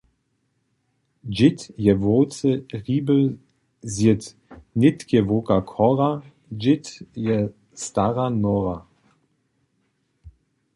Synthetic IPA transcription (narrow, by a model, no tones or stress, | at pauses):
d͡ʒɪtjɛvoːt͡səʁiːbə | zjɪt̪ | nɪtkʰɛvokakʰɔʁa | d͡ʒɪtjɛ | staʁanɔʁa